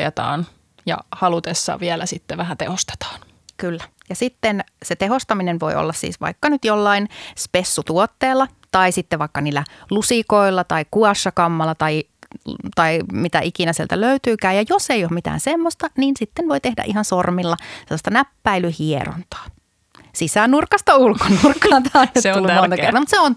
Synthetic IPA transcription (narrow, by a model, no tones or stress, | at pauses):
ḛt̪ɑ̰ːn | jɑ̰hɑlut̪esːɑ̰ʋiɛlæsit̪ːeʋæhænt̪ehost̪e̥t̪ɑ̥ːn | kylːæ | jɑsit̪ːenset̪eɦost̪ɑminenʋo̰iʔo̰lːɑssḭːsʋɑ̰ikːɑnyt̪jolːɑinspesːut̪uot̪ːeːlːɑ | t̪ɑisit̪ːeʋɑikːɑniːlːælusikoilːɑt̪ɑikuɑsːɑkɑmːɑlːɑt̪ɑi | t̪ɑimit̪æ̰ʔikinæsielt̪æløyt̪yːkæːjɑjosejoːmmit̪æ̰ːnsemːost̪ɑniːnsit̪ːenʋoit̪ehdæ̰ʔihɑnsormilːɑselːɑst̪ɑnæpːæilyhiḛro̰nt̪ɑ̥ː | sisænurkːɑst̪ɑulkonurkːɑːt̪ɑɑinet̪ulːummont̪ɑkert̪ɑmut̪seon